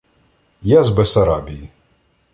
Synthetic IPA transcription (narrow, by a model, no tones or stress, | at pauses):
jazbɛsɐɾabʲiji